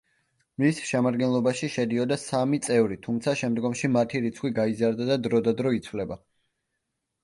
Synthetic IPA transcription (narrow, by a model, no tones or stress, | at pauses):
misʃɛmad̪ɡɛnlˠɔbaʃiʃɛd̪iɔd̪asamit̪sʼɛvɾit̪ʰumt̪sʰaʃɛmd̪ɡɔmʃimat̪ʰiɾit̪sʰχwiɡaizaɾd̪ad̪ad̪ɾɔd̪ad̪ɾɔit̪sʰvlɛba